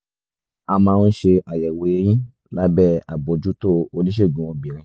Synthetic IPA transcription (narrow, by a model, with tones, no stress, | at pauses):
a˧mãː˧ɾ̃ũ˦ʃe˧ʔa˨jɛ˨we˨˧˦j̃ĩ˦ | la˦bɛ˦˨a˨bo˨d͡ʒu˦to˦o˧nĩ˦ʃ̬e˦˨ɡũ˨w̃ɔ̃˧˦bĩ˨ɾ̃ĩ˧˦